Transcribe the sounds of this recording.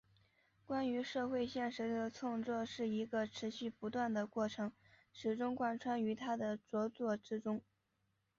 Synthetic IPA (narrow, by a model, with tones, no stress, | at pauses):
kwa˥ny˧˥ʂɤ˥˧xwe˥˧ɪɕjɛ˥˩nʂ̩˧˥d̪ə˧t͡sʰʊ˥˧ŋt͡swɔ˥˧ʂɻ̩˥˩i˧˥ɡə˧ʈ͡ʂʰɻ̩˧˥ɕy˥˩pu˧˥t̪wa˥˩nd̪ə˩kwɔ˥˩ʈ͡ʂʰɤ˧˥ŋ | ʂɻ̩˨˩ʈ͡ʂʊ˥ŋkwa˥˩nʈ͡ʂʰwa˥ny˧˥t̪ʰa˥d̪ə˨t͡swɔ˧˥t͡swɔ˥˩ʈ͡ʂɻ̩˥ʈ͡ʂʊ˥ŋ